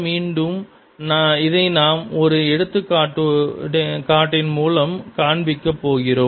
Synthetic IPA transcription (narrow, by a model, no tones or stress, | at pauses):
miːɳɖɯm | naɪðɐɪnaːmɔɾɯɛɽɯt̪ːɯkːaːʈːɯ | kaːʈːɪnmuːlɐmkaːɳbɪkːɐpːoːɣɪroːm